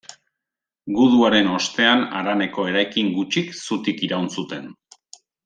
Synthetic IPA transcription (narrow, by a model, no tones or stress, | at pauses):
ɡuðuaɾe̞no̞st̪e̞ana̰ɾane̞ko̞e̞ɾajkiŋɡut͡ʃiksut̪ikiɾawnsut̪e̞n